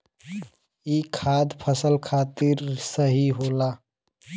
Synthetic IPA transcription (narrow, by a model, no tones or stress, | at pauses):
ikʰaːd̪pʰəsəlkʰat̪iɾsəɦiɦoːla